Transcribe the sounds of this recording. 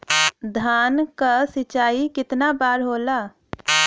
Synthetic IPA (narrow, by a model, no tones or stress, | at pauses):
d̪ʱaːnkasɪt͡ʃaːikɪt̪nabaːɾɦoːlaː